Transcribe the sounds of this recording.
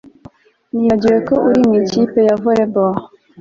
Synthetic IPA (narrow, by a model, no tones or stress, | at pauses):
nijad͡ʒeɛkɔʔuɾiŋit͡ʃipejavɔɾɛbɔː